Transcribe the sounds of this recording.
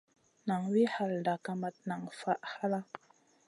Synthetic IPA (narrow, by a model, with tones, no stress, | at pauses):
na˨ŋwi˦ha˨lda˨ka˨ma˨t̚na˨ŋfa˦ʔha˦la˦